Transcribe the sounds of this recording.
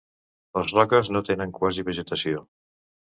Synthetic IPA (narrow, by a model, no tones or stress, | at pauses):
ləzrɔkəznot̪enəŋkwaziβəʒət̪əsio